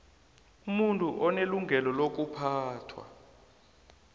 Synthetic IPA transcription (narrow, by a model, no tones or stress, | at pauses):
umuntʼuʔɔneluŋɡʱɛlɔlok̬upʰaːtʰwa̰